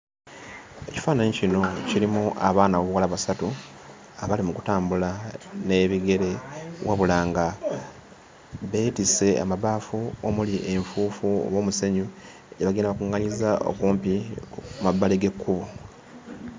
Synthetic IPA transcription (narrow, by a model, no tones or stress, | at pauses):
e̞ci̥faːnaɲecino̞ciɾimuʔaβaːnaβoβuwalaβasatu | aβalimuku̥taːmbulane̞βiɡe̞ɾe̞wa̰βulaːŋɡa | βe̞ːtise̞a̰maβaːfuomuliʔe̞ɱfuːfuo̰wo̞ːmuseɲu | eɟeβaɡiːnaβakuŋːaɲizao̞̰kuːmpimabːaleɡe̞kʰːuβu